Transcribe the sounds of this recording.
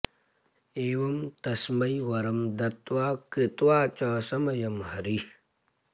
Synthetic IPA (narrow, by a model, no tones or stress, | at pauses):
eːʋɐmt̪ɐsmɐjʋɐɾɐmd̪ɐt̪waːkɾit̪waːt͡ʃaːsɐmɐjɐmhɐɾi